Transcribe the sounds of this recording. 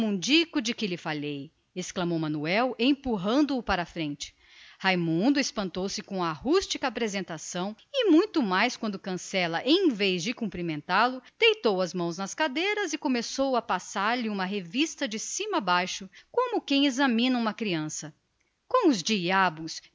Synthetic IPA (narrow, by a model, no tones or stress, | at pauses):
ũd͡ʒikʊd͡ʒɪkɪlɪfalej | esklɐmowmɐ̃nuɛwẽj̃puɦɐ̃nd̪ʊːpaɾɐfɾẽnt͡ʃɪ̥ | hajmũnd̪ʊespɐ̃nt̪owsɪkõɐːhust͡ʃikɐaːpɾezẽnt̪asɐ̃w̃ | ɪmũj̃t̪ʊmajskwɐ̃nd̪ʊkɐ̃sɛlɐʔẽj̃vejzd͡ʒɪkũpɾimẽnt̪alʊd̪̥ejt̪owɐzmɐ̃w̃znɐskad̪ejɾɐzɪkõmesowɐpasaɾlɪũmɐɦevist̪ɐd͡ʒɪsĩmɐabajʃʊkõmʊkẽj̃ezɐmĩnɐũmɐkɾiɐ̃sɐ | kõw̃ʊzd͡ʒiabʊs